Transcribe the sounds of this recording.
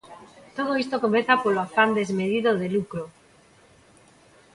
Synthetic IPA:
t̪oð̞oist̪okomeθapoloafand̪ezmeðiðoðelukɾo

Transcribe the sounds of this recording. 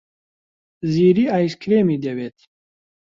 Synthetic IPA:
ziːɾiːaːjskɾeːmiːd̪ɛweːt̪

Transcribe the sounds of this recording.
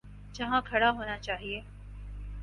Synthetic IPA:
d͡ʒɐɦãkʰɐɽaɦoːnat͡ʃaːɦieː

